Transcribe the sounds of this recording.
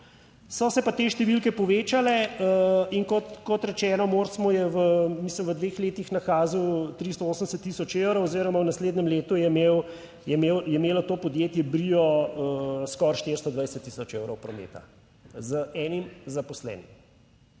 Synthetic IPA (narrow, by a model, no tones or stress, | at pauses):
sɔsɛpat̪eʃt̪ɛʋilkɛpɔʋeːt͡ʃalɛəiŋkɔt̪kɔt̪ɾɛt͡ʃɛːnɔmoɾsmɔjɛʋəmisləmʋəd̪ʋexleːt̪ixnaxaːziwt̪ɾist̪ɔoːsənsət̪ːisɔt͡ʃewɾowoziːɾɔmawnasleːd̪nɛmleːt̪ujɛmeːw | jɛmeːwjɛmeːlɔt̪oːpɔd̪jeːt̪jɛbɾiɔəskɔɾʃt̪eɾst̪ɔd̪ʋajsɛt̪ːisɔt͡ʃewɾɔwpɾɔmḛːt̪a̰ | zəɛːnimzapɔslɛ̰ːnim